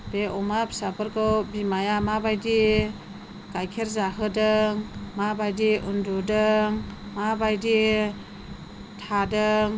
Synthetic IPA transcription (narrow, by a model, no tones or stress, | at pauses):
beʔɔmapsabɯɾkɯwbimajamabajdi | ɡ̥ajkʰeɾzaɦɯdɯŋmabajdiʔundudɯŋmabajdi | tʰadɯŋ